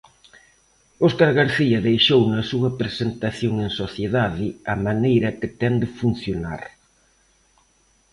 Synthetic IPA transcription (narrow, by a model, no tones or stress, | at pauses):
oskaɾɣaɾθiɐðejʃownɐsuɐpɾesent̪aθjoŋẽŋsoθjeðaðɪɐmanejɾɐkɪt̪ɛnd̪ɪfun̟θjona̰ɾ